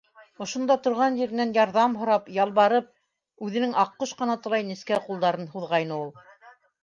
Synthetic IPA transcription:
ŏʃŏnd̪ɑt̪ŏɾʁɑnʑiɾɘ̆nænjɑɾðɑmɦŏɾɑpjɑlˠβɑɾɤp̚ | ʉðɘ̆nɘŋɑqːoʃqɤ̆nɑt̪ɤ̆lˠɑjniskæqulˠd̪ɑɾɤnhuðʁɑjnɤulˠ

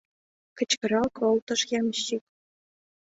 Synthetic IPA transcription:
kɘ̆t͡ɕkʲɘ̆ɾɑlˠkɤ̆lˠt̪ɤ̆ʂjɑmɕik̚

